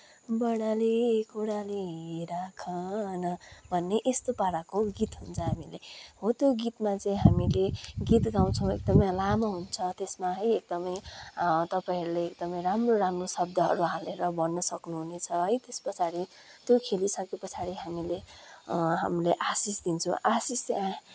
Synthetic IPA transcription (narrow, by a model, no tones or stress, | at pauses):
bʌɽalikuɽaliɦiɾakʰʌ̃nʌbʱʌnːeʔest̪opaɽakoɡit̪ɦunt͡sʰʌɦamileɦõt̪joɡit̪mat͡sʌ̃ĩɦamileɡit̪ɡaw̃t͡sʰʌ̃w̃ek̚d̪ʌmʌjlamʌɦunt͡sʰʌt̪esmaɦʌjek̚d̪ʌmʌjt̪ʌpaĩʌɾuleːk̚d̪ʌmʌjɾamroɾamrosʌb̚d̪ʱʌɦʌ̰ɾuɦaleɾʌbʱʌnːʌsʌknuɦunet͡sʰʌɦʌjt̪espʌt͡sʰaɾi | t̪jokʰelisʌkepʌt͡sʰaɾiɦamile | ɦa̰mileʔasisd̪int͡sʰũʔasisa